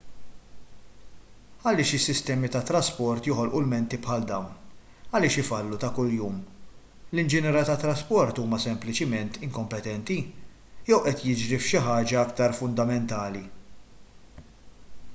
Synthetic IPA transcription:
ɐlɪːʃɪsːɪst̪ɛːmit̪ɐt̪ɾɐspɔɾt̪jɔħɔlʔulmɛnt̪ipħɐld̪ɐwn | ɐlɪːʃɪfɐlːut̪ɐkʊljuːm | lɪnd͡ʒɪnɛːɾɐt̪ɐt̪ːɾɐspɔɾt̪uːmɐsɛmplɪt͡ʃɪmɛnt̪ɪŋkɔmpɛt̪ɛnt̪i | jɛwʔɛt̪jɪd͡ʒɾifʃɪħɐːd͡ʒɐɐkt̪ɐɾfʊnd̪ɐmɛnt̪ɐːli

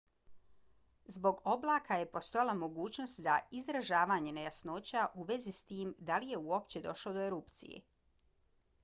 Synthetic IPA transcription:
zbo̞ɡo̞blˠaːkaje̞po̞st̪ojalˠamo̞ɡuːt͡ɕno̞st̪zaizɾaʒaːʋaɲe̞nejasno̞ːt͡ɕaʔuʋe̞zist̪iːmd̪alije̞uo̞pt͡ɕe̞d̪o̞ʃlod̪o̞eɾupt̪sḭjḛ

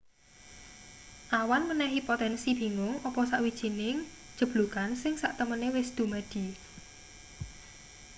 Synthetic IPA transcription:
ʔawanmənɛɦipot̪ɛnsib̥i̤ŋʊŋɔpɔsaʔwid̥ʒ̥i̤nɪŋ | d̥ʒ̥ə̤b̥lukansɪŋsaʔt̪əmənewɪsd̪̥ṳmad̪̥i̤

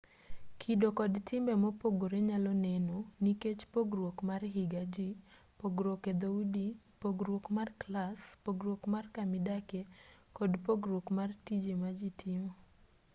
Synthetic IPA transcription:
kʰidokɔdtʰɪmbɛmɔpoɡoɾeɲalɔnenoniket͡ʃpoɡɾwokmarɦiɡad͡ʒi | poɡɾoked̪audi | poɡɾwokmarklaspoɡɾwokmarkamɪdakekɔdpoɡɾokmartid͡ʒemad͡ʒitʰɪmo

